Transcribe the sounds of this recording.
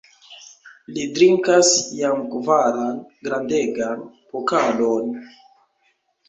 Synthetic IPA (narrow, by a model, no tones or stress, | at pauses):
lidɾiŋkasjamkvaɾanɡɾandeɡan | pokalon